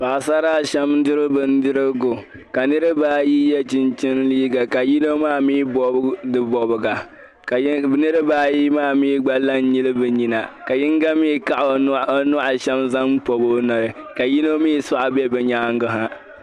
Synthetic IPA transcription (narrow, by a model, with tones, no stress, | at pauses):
pa˨sa˦ɾaː˦ʃɛ˦mdɨ˦ɾɨ˦bɨ˦n˦dɨ˦ɾɨ˦ɡʊ˨ | ka˨nɨ˦ɾɨ˦baː˦ji˦jɛ˦t͡ʃɪ˦nt͡ʃɪ˦nliː˦ɡa˨ka˨ji˦no˦maː˦˨mi˦bɔ˦dɨ˦bɔ˨bɨ˨ɡa˨ | knɨ˦ɾɨ˦baː˦ji˦maː˦mi˦ɡ͡ba˦la˦n˦ɲi˦lɨ˦bɨ˨ɲi˨na˨ka˨jɪ˦ŋɡa˦mi˦ka˦ʔa˨n˦nʊ˦ʔa˨ʃɛ˦mza˦mpo˨bo˦na˨ɾɨ˨ka˨ji˦no˦mi˦sa˦ʔa˦bɛ˦bɛ˨ɲaː˦ŋ˦ɡɨ˨ɦa˦